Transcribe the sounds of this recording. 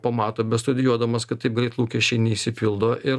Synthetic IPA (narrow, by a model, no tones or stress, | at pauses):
pɐmɑːt̪oːbʲɛst̪ʊd̪ʲɪjuɔd̪ɐmɐskɐt̪t̪ːɐɪpɡɾʲɛɪt̪lˠuːkʲɛʃʲt͡ʃʲɛɪnʲɛisʲɪpʲɪlˠd̪oːʔɪɾ